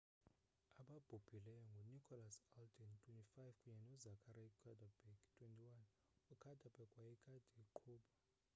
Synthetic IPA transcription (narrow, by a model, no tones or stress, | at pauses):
aɓab̥ʱub̥ʱilɛjɔŋɡʱɔnikʰʼɔlasaldʼɛntʼwentʼifajvkʼuɲɛnɔzakʰaɾakʰad̥ʱab̥ʱɛkʼtʼwentʼiwan | ukʰadʱab̥ʱɛkʼwajɛkʰʼad̥ʱiǃʰuːɓa